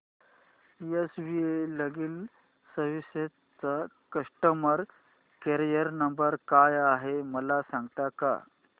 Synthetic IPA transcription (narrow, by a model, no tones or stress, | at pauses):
iesʋieləɡiːl | səɾʋise | t͡sa | kəsʈəməɾ | keɾijəɾnəmbəɾkajaɦeməlasãŋɡt̪aka̰